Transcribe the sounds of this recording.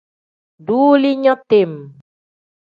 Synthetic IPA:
du˦li˦ɲɔ˦t̪em

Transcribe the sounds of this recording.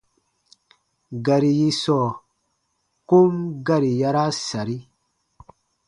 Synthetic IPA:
ɡa˨ɾi˨ji˦sɔ˨ | ku˦mɡa˦ɾi˨ja˧ɾa˦sa˨ɾi˦

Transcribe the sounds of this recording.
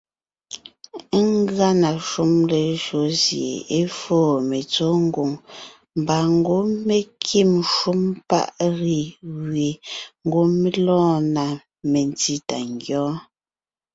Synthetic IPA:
ŋ˦ɡa˦na˨ʃu˦mle˨ʒo˨˦zjḛ˨e˦foː˦˨me˨t͡so˦ŋ˦ɡu˨ŋ | m˨ba˨ŋ˦ɡo˦me˨kʰi˦˨mʃu˦mpa̰˦˨ʔɣi˨ɣwɥe˨ŋ̩˦ɡo˦mi˦lɔ̃ː˦˨na˨ | me˨n˨ti˦ta̰˨ŋ˨ɡjɔ̃ː˨˦

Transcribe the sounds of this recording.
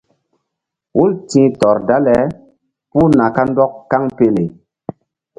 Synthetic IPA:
wu˦ltĩ˦tɔ˨ɾda˦lɛ˨˦ | pu˦na˨ka˦n˦dɔ˦kka˦ŋpe˦le˨

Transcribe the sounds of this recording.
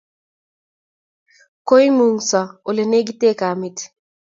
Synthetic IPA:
ko˦i˦mu˨ŋsɔ˨o˨le˨ne˦ɡi˦te˦ka˨mɪ˦t

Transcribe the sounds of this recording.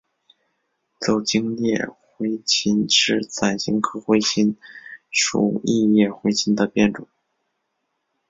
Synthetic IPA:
t͡so˨˩ʊt͡ɕi˥ŋljɛ˥˩xwe˧˥ɪt͡ɕʰi˧˥nʂɻ̩˥˩t͡sʰa˨˩ɪɕi˧˥ŋkʰɤ˥xwe˧˥ɪt͡ɕʰi˧˥nʂṵ˨˩i˥˧jɛ˥˩xwe˧˥ɪt͡ɕʰi˥nd̪ə˨pjɛ˥˩nʈ͡ʂʊ˨˩˦

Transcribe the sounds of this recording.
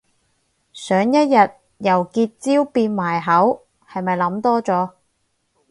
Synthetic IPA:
sœː˨˥ŋjɐ˥t̚jɐ˨t̚ | jɐ˨˩wkiː˧t̚t͡siː˥wpiː˧nmaː˨˩jɦɐ˨˥w | hɐ˨jmɐ˨jlɐ˨˥mt̪ɔː˥t͡sɔː˨˥

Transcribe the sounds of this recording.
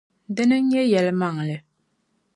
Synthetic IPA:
dɨ˦nɨ˦ɲɛ˦jɛ˨lɨ˦ma˦˨ŋ˨lɨ˨

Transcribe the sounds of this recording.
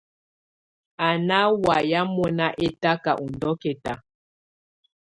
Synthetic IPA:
a˨na˦wa˨ja˦mɔ˦na˦ʔe˦ta˦ka˨ʔu˨ndɔ˦ke˨ta˨

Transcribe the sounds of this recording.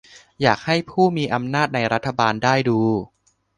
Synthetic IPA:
jaː˨˩k̚ha˥˩jpʰuː˥˩miː˧ʔa˧mnaː˥˩t̪̚na˧jɾa˦˥t̪ʰːa˧baː˧ndaː˥˩jduː˧

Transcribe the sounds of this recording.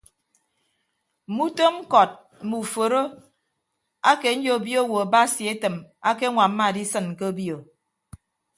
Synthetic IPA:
mu˦to˦m̩˦kɔ˨t̩̚˦ | mu˨fo˨ɾo˦ | a˦ke˨n̩˦d͡ʒo˦o˨bjo˦wo˨ba˦si˨e˦tɨ˨ma˦ke˦ŋʷa˨m̩˦ma˨di˦sɨ˨n̩˨ke˦o˦bjo˨

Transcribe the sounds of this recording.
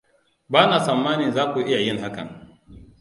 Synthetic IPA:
baː˦naː˨sɐ˨mːaː˦nɪ˨nzaː˦kʷu˨˦ʔɪ˦ja˨jɪ˦ŋɦa˦kɐ̰˨ŋ

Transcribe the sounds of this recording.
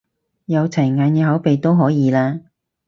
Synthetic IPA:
jɐ˨˧wt͡sʰɐ˨˩ŋaː˨˧njɛː˨˧ɦɐ˨˥wpe˨jt̪o˥wɦɔː˨˥jiː˨˧laː˥

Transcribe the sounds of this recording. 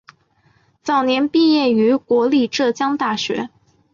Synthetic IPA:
t͡sɑ˨˩ʊnjɛ˧˥npi˥˧jɛ˥˩y˧˥kwɔ˧˥li˥˧ʈ͡ʂɤ˥˩t͡ɕjɑ˥ŋt̪a˥˩ɕɥɛ̰˧˥

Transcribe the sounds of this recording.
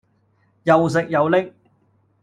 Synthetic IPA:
jɐ˨ws̬ɪ˨k̚jɐ˨˧wlɪ˥k̚

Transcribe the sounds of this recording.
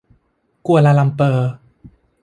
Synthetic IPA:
ku˧ɐla˧la˧mpɤː˧˩

